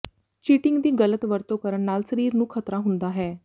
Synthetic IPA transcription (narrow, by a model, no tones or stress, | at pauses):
t͡ʃiːʈɪŋɡd̪iːɡələt̪ʋəɾt̪õːkəɾəɳnaːlsəɾiːɾnũːkʰət̪ɾaːɦʊnd̪aːɦɛː